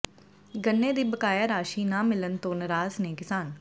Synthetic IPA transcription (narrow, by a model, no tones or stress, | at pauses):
ɡənːeːd̪iːbəkaːjaːɾaːʃiːnãːmɪlənt̪õːnəɾaːzneːkɪsaːn